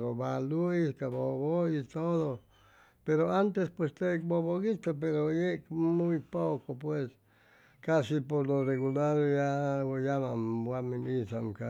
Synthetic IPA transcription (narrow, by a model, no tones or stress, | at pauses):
ɾoβaluiskaβoβoit̪oðo | peɾoant̪espwest̪eboβoɣit̪op̬eɾojemujpokopwes | kasipoɾloreɣulaɾjajamabwamĩnisaŋka